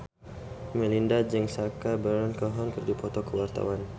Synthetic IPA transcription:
mɛlindad͡ʒɛŋsakabəɾɔnkɔɦɔnkərd͡ʒupɔt̪ɔkəwart̪a̰wan

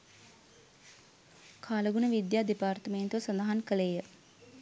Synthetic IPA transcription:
kʰaːləɡunəʋid̪jaːd̪ipaːrt̪əment̪uʋəsɐnd̪əɦankəleːjə

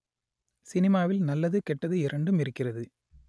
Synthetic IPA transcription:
sɪnɪmaːʋɪlnɐlːɐðɯkɛʈːɐðɯɪɾɐɳɖɯmɪɾɯkːɪrɐðɯ

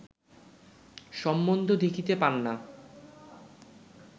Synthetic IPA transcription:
ʃɔmːond̪ʱod̪ʱekʰit̪epanːa

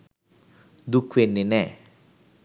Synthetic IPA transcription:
d̪ukʰwenːenɛ

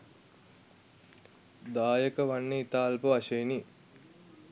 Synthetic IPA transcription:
d̪aːjəkəʋɐnːiit̪aːlpuɐʃejni

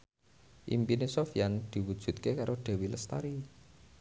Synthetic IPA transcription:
ʔḭmpinesofjand̪̥i̤wud̥ʒ̥ṳt̪̚kekaɾʔoɖ̪̥e̤wiləst̪a̰ɾi

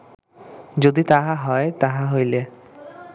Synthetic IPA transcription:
d͡ʑod̪it̪aɦaɦɔet̪aɦaɦojle

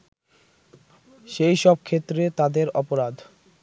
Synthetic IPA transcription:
ʃejʃɔb̚kʰet̪ːɾet̪ad̪eɾɔpoɾad̪

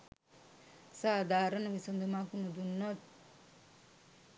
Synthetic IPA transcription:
saːd̪ʱaːɾənəʋisond̪ʱumakunud̪unːɔt̪̚

